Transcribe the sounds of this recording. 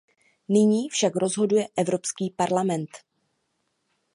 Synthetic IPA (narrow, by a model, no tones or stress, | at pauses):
nɪɲiːfʃakɾo̞zɦo̞dujɛʔɛvɾo̞pskiːpaɾlamɛnt̪